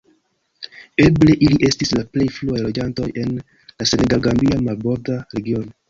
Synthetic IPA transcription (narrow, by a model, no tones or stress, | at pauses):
e̞ble̞ʔiliʔe̞stislaple̞jfluajlo̞d͡ʒanto̞je̞n | lase̞neɡalɡambiamalbo̞ɾdaɾe̞ɡio̞no